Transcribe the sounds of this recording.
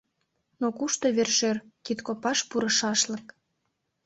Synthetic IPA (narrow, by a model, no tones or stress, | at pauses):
nokuʃt̪oβerʃerkit̪kopɑʃpuɾə̆ʃɑʃlə̆k